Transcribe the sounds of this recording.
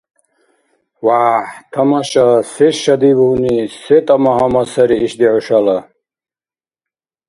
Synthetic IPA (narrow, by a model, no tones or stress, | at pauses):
waːħt̪ʰɐmaʃasɛʃʃad̪ibunisɛt̪ʼamaɦamasɐɾiʔːʃd̪iʕuʃala